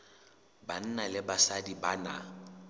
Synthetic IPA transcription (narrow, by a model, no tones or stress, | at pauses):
ban̩nalɪbasadibana̰